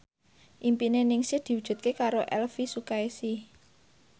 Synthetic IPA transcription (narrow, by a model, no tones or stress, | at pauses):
ʔimpinenɪŋsɪhd̪̥i̤wud̥ʒ̥ṳt̪̚kekaɾoʔɛ̰lfisukaesɪh